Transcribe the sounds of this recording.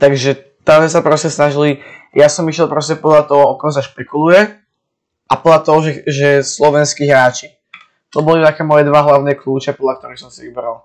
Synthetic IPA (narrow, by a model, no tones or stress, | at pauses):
t̪aɡʒɛ | t̪azɛsapɾɔscɛsnaʒili | jasɔmiʃjɛlˠpɾɔscɛpɔd̪ʎat̪ɔɦɔɔkɔms̬aʃpɛkulujɛ | ʔapɔd̪lat̪ɔɦɔʒɛʒɛslɔʋɛnskiɦɾaːt͡ʃi | t̪ɔbɔlit̪akɛːmɔjɛd̪ʋaɦlaʊnɛːkluːt͡ʃɛpɔd̪lʎak̚t̪ɔɾixsɔmsiʋibɾal